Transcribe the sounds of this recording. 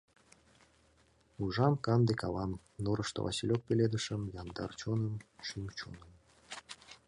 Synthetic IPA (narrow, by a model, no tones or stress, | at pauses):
uʒɑmkɑnd̪ekɑlɑm | noɾɤʃt̪o̰vɑ̰silʲok̚pʲelʲed̪əʃə̆mjɑnd̪ɑ̰rt͡ɕonə̆mʃymt͡ɕo̰nəm